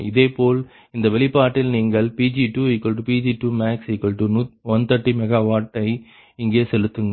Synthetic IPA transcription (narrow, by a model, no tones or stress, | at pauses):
ɪðeːpoːɭ | ɪnd̪ɐʋɛlɪpːaːʈːɪlniːŋɡɐɭpiːd͡ʒiʈuːɪkːɐɭʈɯpiːd͡ʒiʈuːmaːksɪkːɐɭʈunʊt̪ʋɔnt̪ɐʈːimɛɣaːʋaːʈːɐɪ | ɪŋɡeːsɛlɯt̪ːɯŋɡ